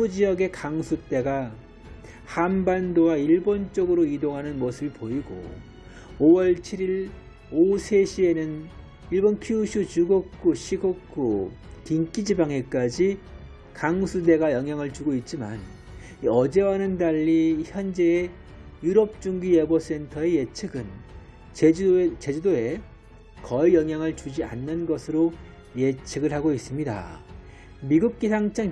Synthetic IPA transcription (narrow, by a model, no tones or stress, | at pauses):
ud͡ʑijʌɡe̞kaŋsʰut͈e̞ɡa | hanbandowaiɭbont͡ɕ͈ʌɡɯɾoidoŋɦanɯnmosʰɯbɯɭpoiɡo̰ | owʌɭt͡ɕʰiɾiɾ | osʰe̞ɕʰie̞nɯn | iɭbonkʰjuɕʰut͡ɕuɡok͈ʰuɕʰiɡokʰu | tiŋk͈id͡ʑibaŋe̞k͈ad͡ʑi | kaŋsʰude̞ɡajʌŋɦjaŋɯɭt͡ɕuɡoit̚t͡ɕ͈iman | iʌd͡ʑe̞wanɯndaʎːiçjʌnd͡ʑe̞ː | juɾʌp̚t͡ɕ͈uŋɡijebos͈e̞ntʰʌe̞jet͡ɕʰɯɡɯn | t͡ɕet͡ɕe̞d͡ʑudoe̞ | kʌijʌŋɦjaŋɯɭt͡ɕud͡ʑia̰nːɯnɡʌsʰɯɾo | je̞t͡ɕʰɯɡɯɭhaɡois͈ɯmɲida̰ | miɡuk̚k͈isʰaŋt͡ɕ͈ʰaŋ